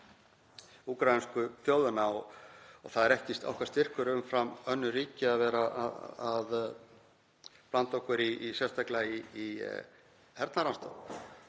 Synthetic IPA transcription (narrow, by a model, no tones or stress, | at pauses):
ukɾainskʏθjowðʏnaɔɣɔ̰ɣθaðɛɾɛhcɪst̪a̰whkvaɾst̪ɪr̥kʏɾʏʏmfɾamœnːʏriːcɪaðvɛːɾa̰að | plant̪ɔhkʏɾiːsjɛst̪ajklaiː | hɛɾt̪naɾanst̪a̰wl